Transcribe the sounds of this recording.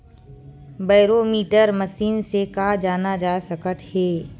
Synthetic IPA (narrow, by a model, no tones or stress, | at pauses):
baːɾomiːʈəɾməsiːnsekad͡ʒaːnad͡ʒaːsəkət̪hɛː